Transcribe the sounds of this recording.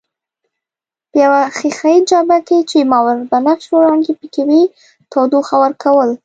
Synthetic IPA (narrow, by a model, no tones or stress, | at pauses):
pəjawaxixaid͡ʒɑbaket͡ʃemɑwaɾbanakʃoɾɑnd̪epəkawi | t̪ɑd̪oxawaɾkʰawəl